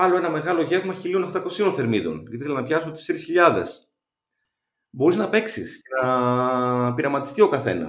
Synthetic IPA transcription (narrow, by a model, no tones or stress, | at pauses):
ɐlo̞e̞nɐmeɣɐlo̞ʝe̞vmɐçilionoxt̪ɐko̞sio̞nθe̞ɾmiðo̞̰niθelɐnɐpçɐsot̪eseɾisçiʎɐðe̞̰s | bo̞ɾiznɐpe̞ksḭsce̞nɐ | piɾɐmɐt̪i̥st̪io̞kɐθe̞̰nɐ̰